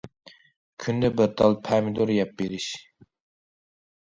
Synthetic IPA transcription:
kʲʰynd̪ɛbɪɾt̪ʰɑlˠpʰɛmɪd̪uɾjɛp̚beɾɪʃ

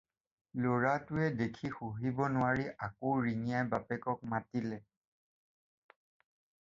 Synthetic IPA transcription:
loɹatʊɛdekʰixuɦibɔnʊwaɹiʔakoɹinijajbapɛkɔk̚matilɛ

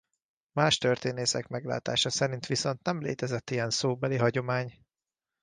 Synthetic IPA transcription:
maːʃt̪ørt̪eːneːsɛkmɛɡla̰ːt̪a̰ːʃɒsɛɾint̪ʋiso̞nt̪nɛmlḛːt̪ɛzɛt̪ːijɛnsoːbɛliɦɒɟo̞maːɲ

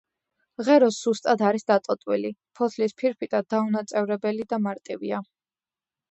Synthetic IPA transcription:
ʁɛɾɔsz̥ust̪ʼad̪ʰaɾisd̪at̪ʼɔt̪ʼwilipʰɔt̪ʰlispʰiɾpʰit̪ʼad̪aunat̪sʼɛvɾɛbɛlid̪amaɾt̪ʼivḭa

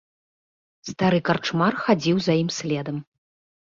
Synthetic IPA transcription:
st̪aɾɨkart͡ʂmarxad͡zʲiwzɐjimsʲlʲɛd̪ɐm

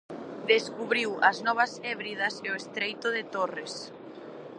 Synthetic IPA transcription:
d̪eskuβɾiwɐznɔβɐsɛβɾiðɐseʊest̪ɾejt̪ʊðɪt̪ores

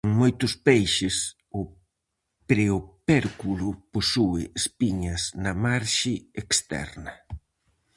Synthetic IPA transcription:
ŋmojt̪ʊspejʃɪs | ʊ | pɾeopɛɾkulʊposuɪːspiɲɐsnɐmaɾʃɪekst̪ɛ̰ɾnɐ

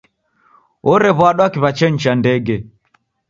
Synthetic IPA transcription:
ɔɾɛβwaɗwakiβat͡ʃɛɲ̩t͡ʃandɛɡɛ

